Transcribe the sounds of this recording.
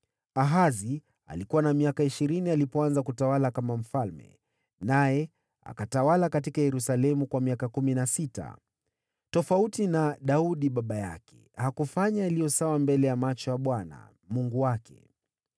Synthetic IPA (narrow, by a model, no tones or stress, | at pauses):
aɦazi | a̰likuwanamiakaiʃiɾinialipɔanzakutawalakamam̩falmɛ̰ | najɛ | a̰katawalakatikajɛɾusalɛmukwamiakakuminasita̰ | tɔfautinaɗauɗiɓaɓaja̰kɛ̥̰ | hakufaɲaalijɔsawambɛlɛjamat͡ʃɔjaɓwana̰ | muŋɡuwakɛ̰